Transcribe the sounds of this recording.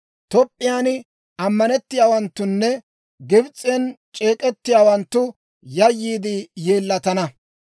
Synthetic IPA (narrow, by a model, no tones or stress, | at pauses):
t̪ɔpʼːɪjaːnɪ | ɐmːɐnɛt̪ːɪjaːwɐnt̪ːʊnːɛ | ɡɪbt͡sʼːɛnt͡ʃʼe̞ːkʼɛt̪ːɪjaːwɐnt̪ːʊ | jɐjːiːd̪ɪje̞ːlːɐt̪ɐnɐ